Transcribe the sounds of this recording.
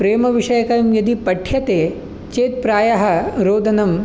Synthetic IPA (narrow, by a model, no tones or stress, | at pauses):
pɾeːmɐʋiʂɐjɐkɐɾɐmjɐd̪ipɐʈʰjɐt̪eː | t͡ʃeːt̪̚pɾaːjɐɦɐ̆ɾoːd̪ʱɐnɐm